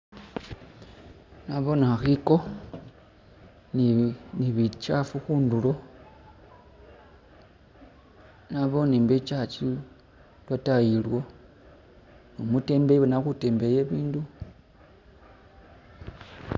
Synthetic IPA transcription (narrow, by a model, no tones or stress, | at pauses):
naβo̞naaxiko̞ | nniβit͡ʃafuxuːndulo̞ | naβo̞nimbet͡ʃat͡ʃi | lwatajilwo | nomute̞mbeβenaxute̞ːmbe̞jeβiːndu